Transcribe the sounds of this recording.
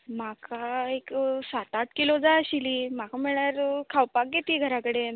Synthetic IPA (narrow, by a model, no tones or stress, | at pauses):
makaeksat̪at̪kilod͡zaəɕiliːmakamiɭaɾkʰawpak̚ɡet̪iɡʱəɾakəɽe